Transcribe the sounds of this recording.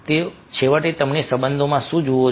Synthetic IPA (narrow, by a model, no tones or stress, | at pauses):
t̪e | t͡ʃʰeʋaʈet̪əmnesəbənd̪ʱomãʃũd͡ʒoʋo